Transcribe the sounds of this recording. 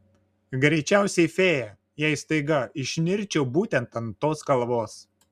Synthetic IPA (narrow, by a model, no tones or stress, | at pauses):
ɡɾʲɛɪt͡ʃʲæˑʊsʲɛɪfʲeːjɛ | jæɪst̪ɐɪɡɐɪʃʲnʲɪɾʲt͡ʃʲɛʊbuːt̪ʲɛnt̪ɐnt̪oːskɐlˠʋoːs